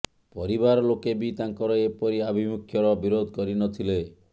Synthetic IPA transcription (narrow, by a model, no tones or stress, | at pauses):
pɔɾibaɾɔlokebit̪aŋkɔɾɔepɔɾiabʱimukʰjɔɾɔbiɾod̪ʱɔkɔɾinɔt̪ʰile